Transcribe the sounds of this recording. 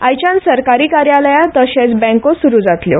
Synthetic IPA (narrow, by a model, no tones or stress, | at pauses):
ajt͡ɕãnsəɾkaɾiːkaɾjaləjãt̪əɕẽt͡sbɛ̃kosuɾuːd͡zat̪ljo̰